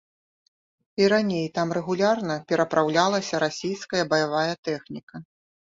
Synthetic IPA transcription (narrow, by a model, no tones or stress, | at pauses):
iɾanʲejt̪amrɛɣulʲarnɐpʲɛɾɐpɾawlʲalˠɐsʲɐɾasʲijskɐjɐbɐjavajɐt̪ɛxnʲikɐ